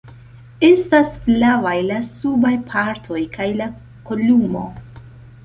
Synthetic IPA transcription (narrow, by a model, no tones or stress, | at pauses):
e̞stasflavajlasubajpʰaɾtʰo̞jkʰajla | kolumo̞̰